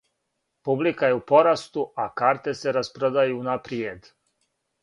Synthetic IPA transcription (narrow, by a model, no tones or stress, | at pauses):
publikaje̞upo̞ɾast̪uʔakaːɾt̪e̞se̞ɾaspɾod̪ajuːnapɾied̪